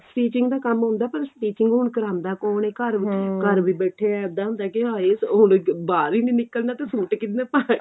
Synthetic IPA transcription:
sʈiːt͡ʃɪŋɡd̪aːkəmɦʊ̃ːnd̪aːpəɾsʈiːt͡ʃɪŋɡɦʊɳkəɾãːnd̪aːkoːneːkəɾkəɾʋiːbɛːʈʰeːɛd̪aːɦʊ̃nd̪aːkɪaːesʊnbaːɾiːnĩːnɪkːəlnaːt̪eːsuːʈkɪt̪nẽːpaːe

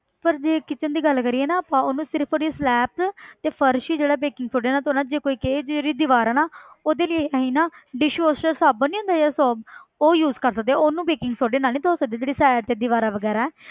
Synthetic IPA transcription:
pəɾd͡ʒeːkɪt͡ʃənd̪iːɡəlkəɾiːeːnaːaːpãːoːnũːsɪɾəpʰoːɽislɛːpt̪eːpʰəɾʃiːd͡ʒeːɽaːbeːkɪŋɡsoːɖeːnaːt̪ːʊnãːd͡ʒeːkoːiːkeːd͡ʒd͡ʒeːɽiːd̪ɪʋaːɾaːnaː | oːd̪eːlɪeaɦiːnãːɖɪʃʋoːsʈəɾsaːbənĩːõːnd̪aːd͡ʒeːasɔːboːjuːzkəɾsək̚d̪eɛːonũːbeːkɪŋɡsoːɖeːnaːlnĩːt̪ʰoːsək̚d̪eːd͡ʒeːɽiːsɛːɖt̪eːd̪ɪʋaːɾaːʋəɡɛːɾaːɛː

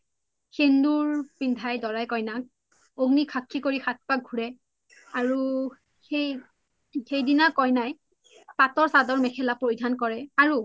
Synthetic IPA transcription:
xenduɹpindʱajdɔɹajkɔjnak̚ | oɡnikʰakʰːikoɹixat̚paɡ̚ɡʱuɹɛ | aɹu | xej | xejdinakɔjnaj | patɔɹsadɔɹmɛkʰɛlapoɹidʱankɔɹɛaɹu

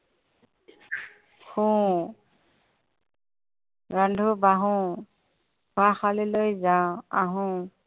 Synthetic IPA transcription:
xũ | ɹandʱubaɦʊ̃ | ɡʱaxalilojzawaɦʊ̃

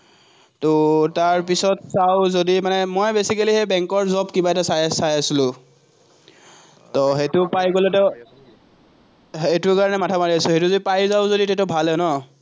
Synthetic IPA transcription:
tɔtaɹpisɔtsaʊzodimanɛmojbesikalihejbɛŋkɔɹzɔbkibaɛtasajsajasilʊ̃ | tɔɦetʊpajɡolɛtɛ | etʊkaɹɔnɛmatʰamaɹiasʊ̃xetʊzoipajzaʊ̃zoditɛtɔbʱalɛnɔ

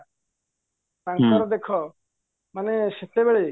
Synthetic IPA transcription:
taŋkɔɾɔd̪ekʰɔ | maneset̪ebeɭe

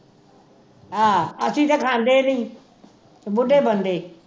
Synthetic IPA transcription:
ɦaːəsĩːt̪ãːkʰãːnd̪eːnəĩː | bʊɖʱeːbənd̪eː

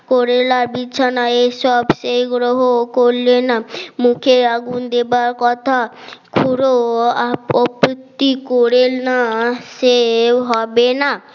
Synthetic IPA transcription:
koɾelaɾbitːt͡ʃʰanaesɔbsejɡɾoɦokoɾlenamukʰeaɡund̪ebaɾkɔt̪ʰa | kʰuɾo | ɔpt̪ːikɔɾelnaseɦɔbena

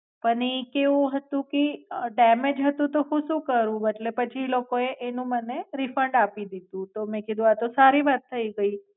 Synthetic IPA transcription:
pəɳikeʋũɦət̪ũkiɖɛmed͡ʒɦət̪ũt̪oɦũʃũkəɾũəʈlepət͡ʃʰilokoeʔenũməneɾifəɳɖapid̪id̪ũt̪omẽkid̪ʱũat̪osaɾiʋat̪ʰːəiɡəi

